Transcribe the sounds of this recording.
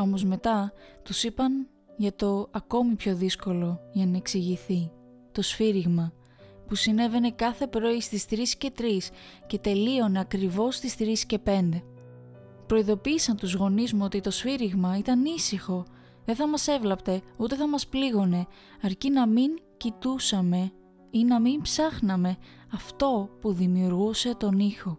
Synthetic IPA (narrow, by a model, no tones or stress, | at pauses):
o̞mo̞zme̞t̪ɐt̪usipɐn | ʝɐt̪o̞ɐko̞mipço̞ðisko̞lo̞ʝɐnɐe̞ksiʝiθi | t̪o̞sfiɾiɣmɐ | pusine̞ve̞ne̞kɐθe̞pɾo̞ist̪ist̪ɾisce̞t̪ɾisce̞t̪e̞lio̞neɐkɾivo̞st̪ist̪ɾisce̞pe̞nd̪e̞ | pɾo̞iðo̞piːsɐnt̪uzɣo̞nizmuo̞t̪it̪o̞sfiɾiɣmɐit̪ɐnisixo̞ | ðe̞θɐmɐse̞vlɐpt̪e̞ut̪e̞θɐmɐspliɣo̞ne̞ | ɐɾcinɐmiɲcit̪usɐme̞ | inɐmimpsɐxnɐme̞ | ɐft̪o̞puðimiuɾɣuse̞t̪o̞nixo̞